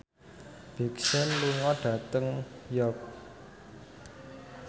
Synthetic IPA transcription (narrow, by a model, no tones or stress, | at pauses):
b̥i̤k̚sɛnluŋɔɖ̥ä̤t̪əŋjɔk̚